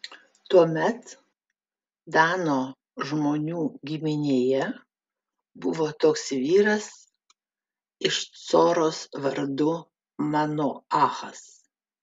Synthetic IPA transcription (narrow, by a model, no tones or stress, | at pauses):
t̪uɔmʲɛt̪ | d̪ɑːnoː | ʒmoːnʲuːɡʲɪmʲɪnʲeːjɛ | bʊʋoːt̪oːksʋʲiːɾɐs | ɪʃt̪soːɾoːsʋɐɾd̪ʊ | mɑnʊɑːxɐs